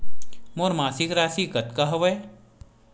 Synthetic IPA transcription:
moɾmaːsikɾaːsikɐt̪kaɦɐʋəj

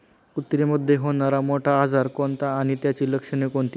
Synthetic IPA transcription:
kut̪ɾeməd̪ʱːjeɦoɳaɾamoʈʰaːd͡zʱaɾkoɳt̪aːɽ̃it̪jat͡ɕiːləkʂənekoɳt̪i

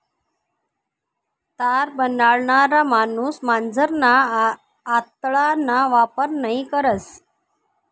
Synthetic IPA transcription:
t̪aɾbənaɭɳaɾamanuːsmand͡zəɾnaː | t̪ɭanaʋapəɾnaɦikəɾət͡s

